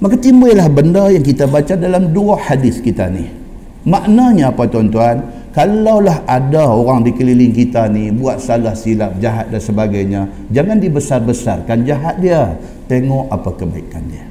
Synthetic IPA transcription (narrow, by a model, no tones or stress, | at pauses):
makat̪imbəlahbəndəjaŋkit̪abat͡ʃadalamduahadɪskit̪a̰ni | maʔnaɲaːpat̪uant̪uan | kalawlaɦadaoɾaŋdikəlilɪŋkit̪anibuat̪̚salahsilap̚d͡ʒaɦat̪̚dansəbaɡajɲa | d͡ʒaŋandibəsarbəsa̰rkand͡ʒaɦat̪̚diə | t̪eŋɔʔapakəba̰ikandiə